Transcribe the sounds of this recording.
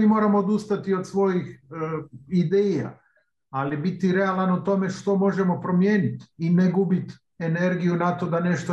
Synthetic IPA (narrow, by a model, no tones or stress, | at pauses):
imo̞ːɾamo̞ːd̪ust̪at̪io̞d̪sʋo̞jix | id̪eːja̰ | alibit̪iɾe̞alanut̪o̞me̞ʃt̪o̞mo̞ʒe̞mo̞pɾo̞mjeːnit̪ineɡubit̪ | e̞ne̞ɾɡijunat̪o̞d̪ane̞ʃt̪o